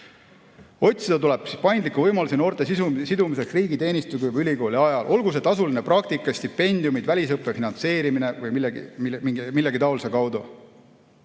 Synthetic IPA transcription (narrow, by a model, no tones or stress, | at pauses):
o̞t̪ʲsid̪ɑt̪ule̞b̥si̥pɑjnd̪likːˑuvɤjmɑlusino̞ːrt̪ˑe̞sisusid̪umise̞ksriːɡit̪e̞ːnist̪ukujbylʲiko̞ːlʲiɑjɑlʔo̞lɡus̬e̞t̪ɑsuline̞prɑk̚t̪ikːˑɑsʲt̪ipːe̞nʲd̪̥iumid̪̥vælʲis̬ɤpːˑefinɑnt̪se̞ːɾimine̞vɤjmilːɛɡḭmiiɡmilːeɡit̪ɑolsekɑwd̪u